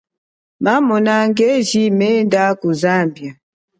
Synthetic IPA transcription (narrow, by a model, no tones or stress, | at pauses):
mamɔnaŋɡɛʒimɛndakuzambja